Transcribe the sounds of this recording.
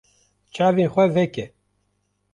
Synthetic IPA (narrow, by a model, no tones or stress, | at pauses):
t͡ʃʰaːveːnxʷɛvɛkɛ